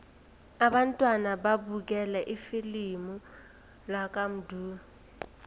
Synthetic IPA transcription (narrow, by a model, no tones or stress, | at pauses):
aɓantʼwanaɓabuk̬ɛlɛʔifilimu | lak̬ʼam̩dʱuː